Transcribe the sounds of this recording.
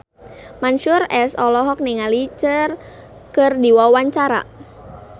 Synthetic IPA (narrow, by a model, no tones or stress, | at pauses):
manʃʊrɛsɔlɔɦɔk̚niŋalit͡ʃər | kərdiwawaɲt͡ʃaɾa̰